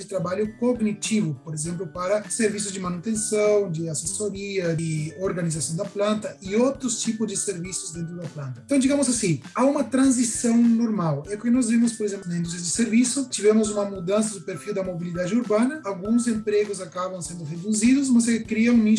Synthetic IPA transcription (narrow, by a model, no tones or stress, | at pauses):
d̪ɪt̪ɾabaʎʊkoɡnit͡ʃ̪ivʊpoɾezẽmplʊpaɾɐseɾvis̬ʊzd͡ʒɪmanut̪ẽnsɐ̃w̃d͡ʒ̪ɪasesoɾiɐɪoɾɡanizasɐ̃w̃d̪ɐplɐ̃nt̪ɐɪowt̪ɾʊst͡ʃipʊzd͡ʒɪseɾvisʊzd̪ẽnt̪̬ɾʊd̪ɐplãnt̪ɐ̃t̪ɐ̃d͡ʒiɡãmʊsasĩaũmɐt̪ɾɐ̃nz̬isɐ̃w̃noɾmawɛpoɾkɪnɔzvemʊspoɾez̬ẽmpnɐĩnd̪ust̪ɾɐd͡ʒɪseɾvisʊt͡ʃ̪ivẽmʊzumɐmud̪ɐ̃nsɐd̪ʊpeɾfiwd̪ɐmobilid̪ad͡ʒɪuɾbãnɐːwɡũŋz̬ẽmpɾeɡʊsakabɐ̃w̃sẽnd̪ʊʁed̪uzid̪ʊs̬mɐs̬kɾiɐ̃ũmĩ